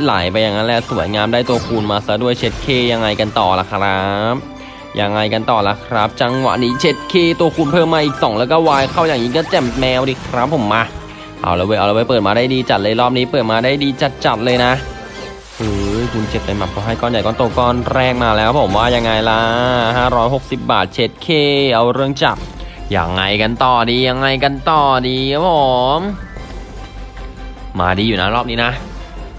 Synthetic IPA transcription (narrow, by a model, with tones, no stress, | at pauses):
la̰ː˨˩˦jpa˧jːaː˨˩ŋːa˦nlɛ˧˩su˨˩˦əjŋaː˧mdaː˥˩jt̪u˧ɐkʰuː˧nmaː˧sa˧˦˥du˥˩əjt͡ɕʰe˦˥t̪̚kʰeː˧˩ja˧ŋːa˧jka˧nt̪ɔː˨˩la̰˧˩kʰɾa˦˥p̚ | ja˧ŋːa˧jka˧nt̪ɔː˨˩la̰˨˧˥kʰɾa˦˥p̚t͡ɕa˧ŋwa̰˨˩ʔniː˦˥t͡ɕʰe˦˥t̪̚kʰeː˥˩t̪u˧əkʰuː˧npʰɤː˥˩mːaː˧ʔiː˨˩k̚sɔ˩˦ŋlɛː˦˥wkɔː˥˩waː˧jkʰaː˥˩wjaː˨˩ŋiː˦˥kɔː˥˩t͡ɕɛ˨˩mmɛː˧wɾiː˧˩kʰɾa˦˥pʰːo˨˩˦mːaː˧ | ʔa̰˧˩wlɛ˧˦˧weː˧ʔaː˨˩lːweː˧˥pɤː˨˩t̪̚maː˧daː˥˩jdiː˧t͡ɕa˨˩lɤː˧jɾɔː˥˩p̚niː˦˥pɤː˨˩t̪̚maː˧daː˥˩jdiː˧t͡ɕa˨˩t̪̚t͡ɕa˨˩t̪̚lɤː˧jna˦˥ | ʔɯː˧˩jkʰu˧nt͡ɕe˨˩p̚pːa˧jma˨˩kʰɔː˧˦ɦa˥˩jkɔː˥˩nja˨˩jkɔː˥˩nt̪oː˧kɔː˥˩nɾɛː˥˩k̚maː˧lɛː˦˥wpʰo˩˦mwaː˥˩ja˧ŋːa˧jla˦˥haː˥˩ɾɔː˦˥jɦo˨˩k̚si˨˩p̚ba̰ː˨˩t̪̚t͡ɕʰe˦˥t̪̚kʰeː˥˩ʔa˧wɾɯ˥˩əŋt͡ɕa˨˩p̚ja̰˧ŋːa˧jka˧nt̪ɔː˨˩diː˧ja˧ŋːa˧jka˧nt̪ɔː˨˩diː˧kʰaː˦˥pʰo˨˩˦m | ma̰ː˧diː˧juː˨˩na˦˥ɾɔː˥˩p̚niː˦˥na˦˥ʔ